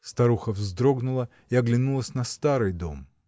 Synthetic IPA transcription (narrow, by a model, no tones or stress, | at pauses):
st̪ɐɾuxəvzd̪ɾo̞ɡnʊlˠə | iɐɡlʲɪnulˠəsʲnɐst̪aɾɨjd̪o̰m